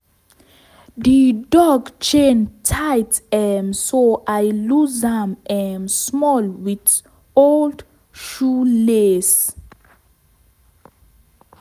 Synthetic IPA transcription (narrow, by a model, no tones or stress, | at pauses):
didɔɡt͡ʃẽntʰajtɛmsoʔajluzãmɛmsmɔlwit | old | ʃules